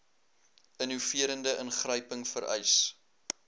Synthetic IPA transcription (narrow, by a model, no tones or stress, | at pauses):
ənufiəɾəndəʔənχrəjpəŋfəɾœ̰js